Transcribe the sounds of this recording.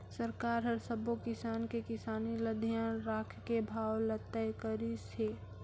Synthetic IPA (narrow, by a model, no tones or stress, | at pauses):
səɾkaːɾɦəɾsəbokɪsaːnkekɪsaːniləd̪ʱijanɾaːkʰkebʱaːwlət̪ːəjkəɾise